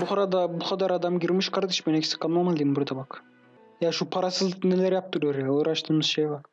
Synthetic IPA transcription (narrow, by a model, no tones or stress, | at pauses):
buχɾɑd̪ɑbuχɑd̪ɑɾɑd̪ɑmɡiɾmiʃkʰɑɾd̪ɯʃbenɛkʰʲisɪ̥kʰɑlˠmɑmald̪imbuɾd̪ɑbɑk | jaʃupʰɑɾɑsɯznɛlæɾjɑp̚t̪uɾuɾjaoɾɑʃt̪ɯmɯz̥ʃejbɑ